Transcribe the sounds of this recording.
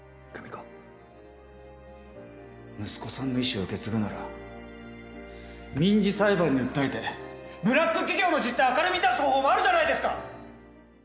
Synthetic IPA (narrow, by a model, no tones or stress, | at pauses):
kamʲiko | mɯ̟sɨ̥ko̞sãnːo̞iɕio̞ɯ̟ke̞t͡sɨɡɯ̟naɾa̰ | mʲĩɲd͡ʑisaibaɲ̟ːiɯ̟t̪ːait̪e̞bɯ̟ɾakːɯ̟kʲiɡʲo̞ːno̞d͡ʑit̪ːaakaɾɯmʲid̪asɨ̥hoːɦoːmoaɾɯ̟ʑanaid̪e̞sɨ̥ka